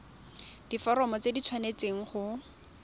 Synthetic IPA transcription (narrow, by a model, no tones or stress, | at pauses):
d̥ifɔɾɔmɔt͡sedit͡sʰwanet͡seŋ̩χʊ